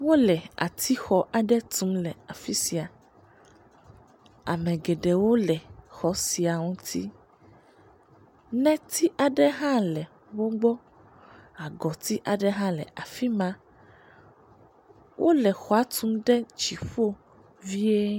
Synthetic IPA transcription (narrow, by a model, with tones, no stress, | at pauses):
wo˦lɛ˨a̰˨t̪ʰi˦xɔ˦ʔa˨ɖɛ˦t̪ũ˦mlɛ˨a˨fi˦si˨a˨ | a̰˨mɛ̃˨ɡɛ˨ɖɛ˨wo˦lɛ˨xɔ˨˦si˨a˨ŋũ˦t̪ʰḭ˦ | nɛ̃˦t̪ʰi˦ʔa˨ɖɛ˦ɦã˦lɛ˨ | wo˦ɡ͡bɔ˦ | a˨ɡɔ˨t̪i˦ʔa˨ɖɛ˦ɦã˦lɛ̰˨ʔa˨fi˦mã˦ | wʔo˦lɛ˨xɔ˨a˦t̪u˦mɖɛ˦d͡ʒi˨ɸo˦ | vi˦e˦